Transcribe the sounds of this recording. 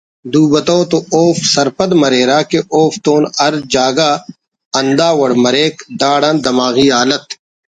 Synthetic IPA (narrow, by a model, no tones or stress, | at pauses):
d̪uːbɐt̪oːt̪ooːfsɐɾpɐd̪mɐɾeːɾaːkeʔoːft̪oːnɐɾd͡ʒaːɡaː | ɐnd̪aːwɐɽmɐɾeːkd̪aːɽãːnd̪ɐmaːɣiːaːlɐt̪